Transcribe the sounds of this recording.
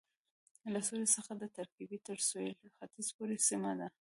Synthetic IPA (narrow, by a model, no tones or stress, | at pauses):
lasolesəxad̪ət̪aɾkibit̪əɾsojlxat̪izpoɾesimad̪a